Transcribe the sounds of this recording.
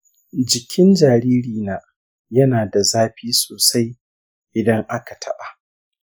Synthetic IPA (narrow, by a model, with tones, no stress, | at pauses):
d͡ʒɪ˨kʲʰɪ˦nd͡ʒaː˨ɾiː˦ɾiː˨naː˨ | jɐ˦naː˨da˨zaː˦ɸiː˦soː˨sa˦j | ʔɪ˨dɐ˦ŋʔa˦ka˨tʰɐ˦ɓa˨